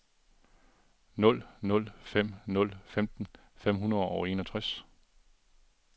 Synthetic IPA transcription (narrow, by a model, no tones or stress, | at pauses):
nɔ̽l̰nɔ̽l̰fem̰nɔ̽l̰femd̥n̩ | fem̰ɦunɐð̩ˠɒʊe̝̰ːnɒt͡sʰʁɛs